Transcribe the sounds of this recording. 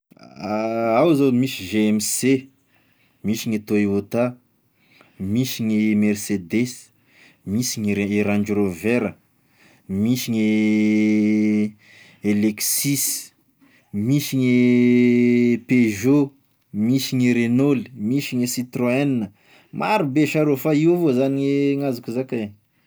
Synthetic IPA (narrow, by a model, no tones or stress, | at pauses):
awzamisiʒeɛmse | misiɲet̪oeot̪a | misiɲemɛrsed̪es | misiɲeɾaɳd͡ʒɾoveɾə | misiɲe | eleksis | misiɲe | peʒo | misiɲeɾenolimisiɲesit̪roɛnːə | maɾubeʃaɾofaiwvozaniŋeŋazukuzakae